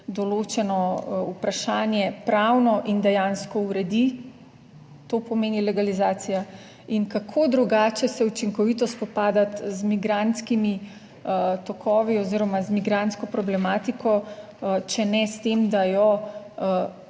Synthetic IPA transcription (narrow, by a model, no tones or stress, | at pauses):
d̪ɔloːt͡ʃɛnɔupɾaʃaːnjɛpɾawnɔʔind̪ɛjanskɔuɾɛd̪i | t̪opɔmeːnilɛɡalizaːsija | inkakʰoːd̪ɾuɡaːt͡ʃɛsɛut͡ʃiŋkɔʋit̪ɔspɔpaːd̪at̪zmiɡɾant̪skimi | t̪ɔkʰɔːʋiɔziːɾɔmazmiɡɾant̪skɔpɾɔblɛmaːt̪ikɔ | t͡ʃɛnɛst̪emd̪ajɔ